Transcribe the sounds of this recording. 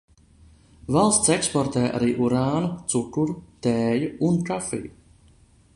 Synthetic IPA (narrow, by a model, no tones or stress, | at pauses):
valˠst̪sekspɔɾt̪ɛːʔa̰ɾiːʔuɾaːnut̪sukuɾut̪ɛːjuuntɾafḭː